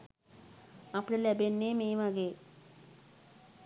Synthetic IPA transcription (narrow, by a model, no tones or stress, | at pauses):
apɽelɛbenːemeːʋaɡe